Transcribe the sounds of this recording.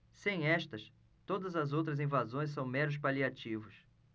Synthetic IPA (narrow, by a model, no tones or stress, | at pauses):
sẽj̃ɛʃt̪ɐs | t̪od̪ɐzɐzowt̪ɾɐzĩvazõj̃s̬ɐ̃w̃mɛɾʊs̬paliat͡ʃivʊs